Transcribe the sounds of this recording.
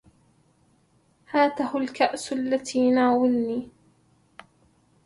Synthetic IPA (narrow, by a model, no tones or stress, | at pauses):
haːt̪ahʊlkaʔsalːat̪iːnaːwɪlniː